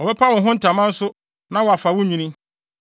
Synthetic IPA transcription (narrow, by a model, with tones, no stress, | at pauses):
ɔ˨bɛ˦pʰa˦wʊ̃˨ɦʊ̃˦n̩˦tʰa˨mã˦n̩˦sʊ˦ | nã˦wɔ˨a˨fa˨wʊ̃˦ɲĩ˨nĩ˦